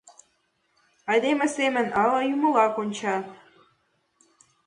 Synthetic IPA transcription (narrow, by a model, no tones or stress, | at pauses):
ɑjd̪emɘ̆semɘ̆nɑlɑjumɤ̆lɑkonʲt͡ɕɑ